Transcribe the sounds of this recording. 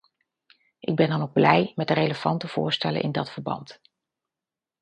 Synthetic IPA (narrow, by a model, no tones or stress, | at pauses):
ʔɪɡ̚bɛndɑnoɡblɛjmɛt̚dərejləv̥ɑntəv̥ʊːɹstɛlə̰nʔɪ̰ndɑtfəɹbɑ̰nt